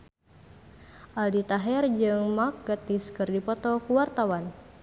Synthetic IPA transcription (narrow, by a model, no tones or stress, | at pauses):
ʔaldit̪aɦɛrd͡ʒɨŋmak̚ɡat̪iskɨrdipɔt̪ɔkuwart̪awan